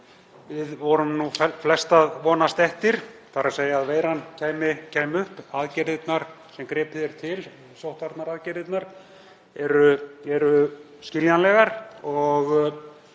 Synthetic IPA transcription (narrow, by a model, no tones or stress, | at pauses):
vɪðvɔɾʏmnufflɛst̪aðvɔːnast̪ɛht̪ɪɾ̥θaɾaseːjaaðveːjɾancʰeːjmɪcʰeːjmʏhpaðcɛɾðɪt̪naɾ̥ | sɛmkɾɛːpðɛɾ̥t̪ʰɪl | sowht̪aɾt̪naɾaðcɛɾðɪt̪naɾ̥ | ɛɾʏɛɾʏ | scɪljanlɛɣaɾɔɣ